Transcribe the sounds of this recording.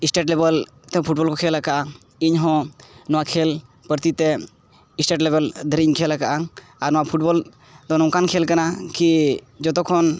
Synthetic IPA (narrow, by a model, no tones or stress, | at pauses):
isʈeʈlebəl | t̪ɛpʰuʈ̚bɔlkɔkʰelakaʔa | iɲɦɔ̃nɔwakʰel | pəɾt̪it̪ɛ | isʈeʈlebəld̪ʱəɾiɲkʰelakaʔa | aɾnɔwapʰuʈ̚bɔl | d̪ɔnɔ̃kankʰelkanaki | d͡ʒɔt̪ɔkʰɔn